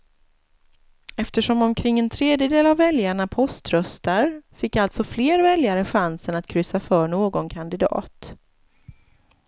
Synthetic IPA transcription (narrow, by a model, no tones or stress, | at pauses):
ɛft̪əʂɔmɔmkʰɾɪŋːɛnt̪ʰɾeːd̪jəd̪eːlavːɛljaɳapʰɔst̪ɾœst̪aɾfɪkːalt̪sɔfleːɾvɛljaɾəɧansənat̪kʰɾʏsafœːɳoːɡɔnkʰand̪ɪd̪ɑ̰ːt̪